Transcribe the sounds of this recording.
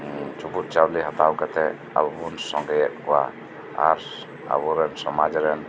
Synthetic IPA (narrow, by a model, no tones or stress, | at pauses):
t͡ʃubut̪̚ˀt͡ʃawliɦat̪awkat̪ɛ | a̰bbunsɔŋɡɛjɛt̪̚kɔwa | aɾ | a̰buɾɛnsɔmad͡ʒɾɛn